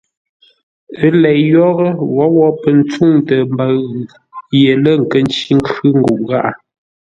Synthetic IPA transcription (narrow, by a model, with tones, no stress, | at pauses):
ə˦lɛ˨ʔjɔ˦ɣə˦wɔ˨˦wɔ˦pə˨n̩˦t͡su˦˨ŋtə˨m˦ba˨ɣ | je˨lə˦ŋ̩˨kə˦n˦t͡ʃi˦ŋ˦kʉ˦ŋ̩˦ɡu˨ʔɣa˦ʔ